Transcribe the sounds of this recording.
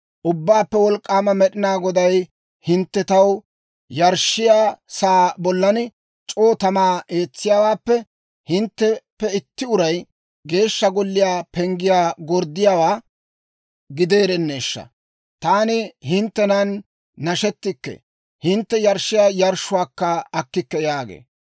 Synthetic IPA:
ʔʊbːaːpːɛwɔlkʼːaːmɐmɛɗɪnaːɡɔd̪ɐj | hɪnt̪ːɛt̪ɐw | jɐɾʃːɪjaːsaːbɔlːɐnɪ | t͡ʃʼo̞ːt̪ɐmaːʔe̞ːt͡sːɪjaːwaːpːɛ | hɪnt̪ːɛpːɛɪt̪ːɪʊɾɐj | ɡe̞ːʃːɐɡɔlːɪjaːpɛŋɡɪjaːɡɔɾd̪ːɪjaːwaː | ɡɪd̪e̞ːɾɛnːe̞ːʃːɐ̰ | t̪aːnɪhɪnt̪ːɛnɐnː | ɐʃɛt̪ːɪkːɛ̰ | hɪnt̪ːɛjɐɾʃːɪjaːjɐɾʃːʊwaːkːɐɐkːɪkːɛjaːɡḛː

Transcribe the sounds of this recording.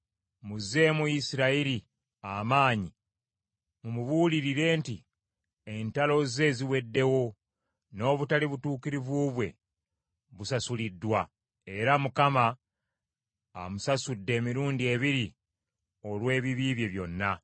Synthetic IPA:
muze̞muisiɾaiɾi | amaːɲi | mumuβuːliɾiɾe̞ːnti | entalo̞ze̞ːziwe̞dːe̞wo̞ | no̞ːβutaliβutuːkiɾiβuːβwe̞̰ | βusasulidːwa | e̞ɾamukama | musasudːe̞ːmiɾuːndie̞βiɾi | o̞lwe̞ːβiβiːβje̞βjo̞nːa

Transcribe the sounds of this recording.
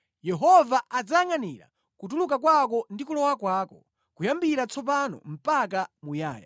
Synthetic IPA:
jɛɦɔvaʔad͡zaŋaniɾa̰ | kut̬uluk̬ak̬wak̬ɔndikulɔwakwaːkɔ | kujambiɾat͡sʰɔp̬anɔ̰m̩pakamuja̰ːja

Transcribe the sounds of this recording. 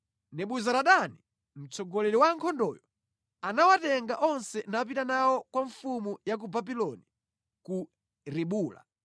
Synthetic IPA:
nɛɓuzaɾaɗani | m̩t͡sɔɡɔlɛɾiwaŋkʰɔndɔːjɔ | anawatɛŋɡaʔɔnsɛnapitanawɔkwaɱfumujak̬ubabilɔni | ku | ɾiɓuːla̰

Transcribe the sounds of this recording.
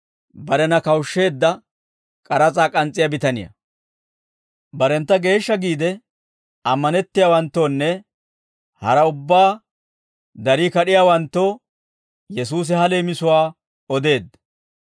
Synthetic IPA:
bɐɾɛnɐkɐwʃːe̞ːd̪ːɐ | kʼɐɾɐt͡sʼaːkʼɐnt͡sʼːɪjabɪt̪ɐnɪ̰jɐ̰ | bɐɾɛnt̪ːɐɡe̞ːʃːɐɡiːd̪ɛ | ɐmːɐnɛt̪ːɪjaːwɐnt̪ːo̞ːnːɛ | hɐɾɐʊbːaː | d̪ɐɾiːkɐɗɪjaːwɐnt̪ːoː | jɛs̬uːs̬ɪhɐle̞ːmɪsʊwaː | ɔd̪e̞ːd̪ːɐ

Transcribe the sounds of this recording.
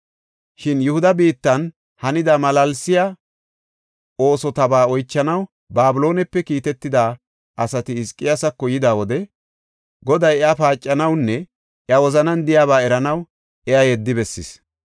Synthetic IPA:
ʃɪnjʊhʊd̪ɐbiːt̪ːɐn | hɐnɪd̪aːmɐlɐlsɪjɐ | o̞ːsɔt̪ɐbaːɔjt͡ʃːɐnɐw | baːbɪlo̞ːnɛpːɛkiːt̪ɛt̪ːɪd̪aː | ʔɐsɐt̪ɪːskʼːɪjasɐkːɔjɪd̪aːwɔd̪ɛ | ɡɔd̪ɐjɛafaːt͡ʃʼːɐnɐwnːɛ | ʔjɐwɔzɐnɐnd̪ɪjaːβaːɛɾɐnɐw | ɛajɛd̪ːɪbɛsːɪ̰s

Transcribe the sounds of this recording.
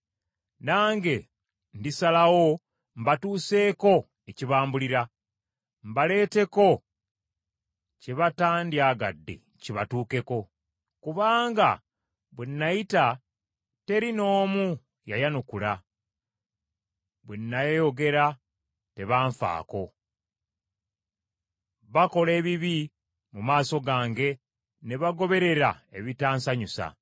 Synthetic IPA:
naːŋɡe̞ | ndisalawo̞ | m̩batuːse̞ːko̞ | e̞ciβaːmbuliɾa | mbale̞ːte̞ko̞ | ceβataːndjaɡa̰dːe̞̰ | ciβatuːke̞ko̞ | kuβaːŋɡa | βwenːajita | te̞ɾino̞ːmu | jajanukula | βwenːajejo̞ɡe̞ɾa | te̞βaːɱfa̰ːko̞ | βako̞le̞ːβiβi | mumaːso̞ɡaːŋɡe̞ | ne̞βaɡo̞βe̞ɾe̞ɾaeβitaːnsaɲusa̰

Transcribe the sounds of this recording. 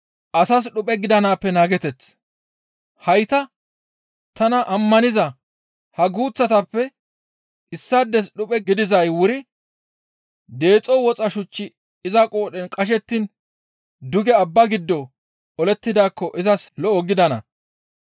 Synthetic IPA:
ʔɐsɐs̬ɗʊpʼɛɡɪd̪ɐnaːpːɛnaːɡɛt̪ɛt͡s | hɐjt̪ɐ | t̪ɐnɐʔɐmːɐnɪzɐ | hɐɡuːt͡sːɐt̪ɐpːɛ | ʔɪsːɐd̪ːɛs̬ɗʊpʼɛɡɪd̪ɪzɐjwʊɾɪ | d̪e̞ːt͡sʼːɔwɔt͡sʼɐʃʊt͡ʃːɪ | ɪzɐkʼoːɗɛnkʼɐʃ̬ɛt̪ːin | d̪ʊɡɛɐbːɐɡɪd̪ːɔ | ɔlɛt̪ːɪd̪aːkːɔʔɪzɐslɔɔɡɪd̪ɐnɐ̰

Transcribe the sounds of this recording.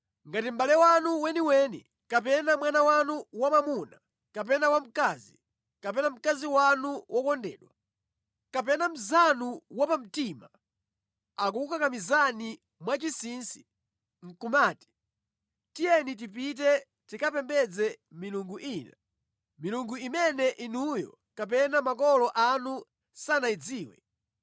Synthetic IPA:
ŋɡatim̩balɛwanuwɛniwɛnḭ | kap̬ɛnamwanawanuwamamuna | kap̬ɛnawam̩kaːzi | kapɛnam̩kaziwanuwʔɔkɔndɛ̰ːɗwa | kapɛnam̩zanuwapam̩tima | ak̬ukukakamizani | mwat͡ʃisinsi̥ | ŋ̩kumaːti̥ | tijɛnit̬ipit̬ɛ | tikapɛmbɛd͡zɛmiluŋɡuʔiːna | miluŋɡuimɛnɛʔinujɔ̰ | kap̬ɛnamak̬ɔlɔʔanu | sanaid͡ziːwɛ̰

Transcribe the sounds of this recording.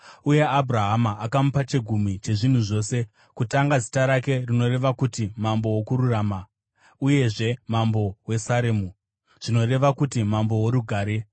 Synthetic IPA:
uje̞aburaɦamaʔakamupat͡ʃe̞ɡʱumit͡ʃe̞ʐin̤uʐo̞ːse̞ | kutaŋɡazi̥taɾake̞rino̞ɾe̞ʋakutimambo̞wokuɾuraːma | uje̞ʐe̞mambo̞we̞saɾemu | ʐ̥ino̞re̞ʋakutimambo̞woɾuɡʱaːɾe̞

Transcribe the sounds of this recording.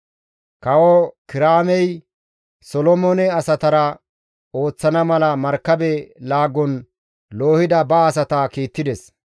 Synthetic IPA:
kɐwɔkɪɾaːmɛj | sɔlɔmɔnɛɐsɐt̪ɐɾɐ | o̞ːt͡sːɐnɐmɐlɐmɐɾkːɐbɛlaːɡːɔn | lo̞ːhɪd̪ɐbɐːs̬ɐt̪akiːt̪ːɪd̪ɛs

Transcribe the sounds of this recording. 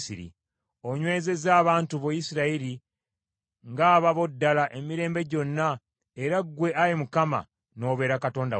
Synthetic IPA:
siɾḭ | o̞ɲwe̞ːze̞zaːβaːntuβojisiɾaiɾi | ŋɡaːβaβo̞dːalaʔe̞miɾe̞ːmbe̞ɟo̞nːa | eɾaɡwe̞ʔajemukama̰ | no̞ːβe̞ːɾakato̞ːnda̰

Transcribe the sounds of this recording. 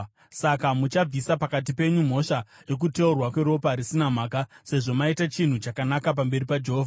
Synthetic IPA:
sakamut͡ʃab͡visapakat̬ipe̞ɲum̤o̞ʃaje̞k̬ute̞urwakwe̞ɾo̞paɾisinam̤aːkase̞ʐo̞maitat͡ʃin̤ut͡ʃakanakap̬ambe̞ɾipad͡ʒe̞ɦoːvʱa

